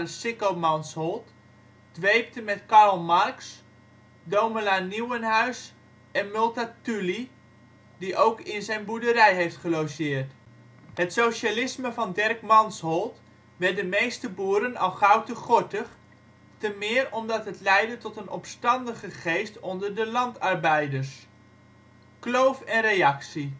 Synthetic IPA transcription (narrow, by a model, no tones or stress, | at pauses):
əsɪkomɑnshɔlˠt | d̥ʋejp̚təmɛtkɑrlˠmɑrks | dowməlaːniwənɦœɥs | ɛnmɵlˠtatyli | diʔowkɪnzɛjnbudəɾɛjɦejftχəlowsɪːərt | ɦətsowʃalɪsməvɑndɛrkmɑnshɔlˠt | ʋɛrdəmejstəbuːəɾənɑ̰lˠχawtəχɔtəχ | təmɪːrɔmdɑtɦətlɛjdətɔtənɔpstɑndəχəχejstɔndəɹdəlɑntɑrbɛjdəɹs | klowfɛnrejɑksi